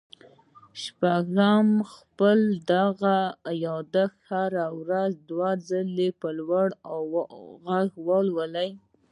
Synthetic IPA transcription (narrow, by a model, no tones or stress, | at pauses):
ʃpaɡɾamxpəld̪aɣajɑd̪axhaɾawɾazd̪wazəlepəlwaɽaɣaɡwəlwəlaj